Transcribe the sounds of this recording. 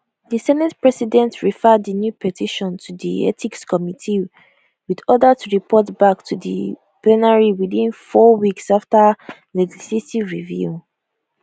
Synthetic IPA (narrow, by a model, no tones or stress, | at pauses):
ðisɛnɛtpɹɛsidɛ̃ntʰɹifɛdðənjupʰɛtʰiʃɔ̃ntʰuðḭɛ̰tʰikskʰɔmitʰi | wiðɔdətʰuɹipʰɔtbak̚tʰuðə̰ | plɛnaɹiwiðĩnfɔwiksaftə | lɛd͡ʒisletivɹivju